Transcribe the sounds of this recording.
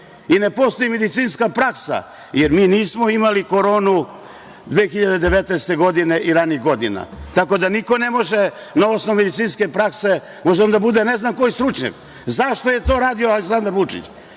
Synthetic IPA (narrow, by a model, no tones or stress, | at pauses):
ine̞po̞st̪ojime̞d̪it̪siːnskapɾaksa̰ | jeɾmiːniːsmoimaliko̞ɾo̞ːnu | d̪ʋeːxiʎad̪ed̪eʋet̪neest̪e̞ɡo̞d̪ine̞ʔiɾaniɣɡo̞d̪ina̰t̪ako̞d̪aniko̞ne̞mo̞ʒe | naosnoume̞d̪it̪siːnske̞pɾakse̞ | mo̞ʒeond̪abud̪eneznamko̞jist̪ɾut͡ʃɲa̰k | zaʃt̪o̞je̞t̪o̞ːɾaːd̪ioaleksand̪aɾʋut͡ʂḭt͡ɕ